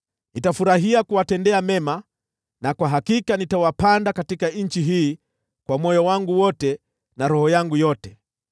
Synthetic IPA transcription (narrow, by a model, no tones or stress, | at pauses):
nitafuɾaɦiakuwatɛndɛamɛma | nakwaɦakikanitawapandakatikaɲ̩t͡ʃiɦiː | kwamɔjɔwaŋɡuwɔtɛ | naɾɔhɔjaŋɡujɔtɛ